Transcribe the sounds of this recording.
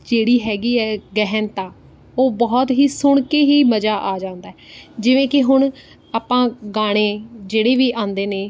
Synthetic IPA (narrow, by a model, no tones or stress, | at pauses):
d͡ʒeːɽiːɦɛːɡiːɛːɡɛɦɛnt̪ãː | oːbɔːt̪ɦiːsʊɳ̃keːɦiːməd͡ʒaːʔaːd͡ʒãːnd̪aːɛːd͡ʒɪʋẽːkɪɦʊɳ̃ | aːpãːɡaːɽ̃eːd͡ʒeːɽeːʋiːʔãːnd̪eːneː